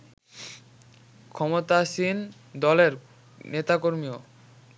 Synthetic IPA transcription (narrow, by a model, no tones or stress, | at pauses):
kʰɔmot̪aʃin | d̪ɔleɾ | net̪akoɾmio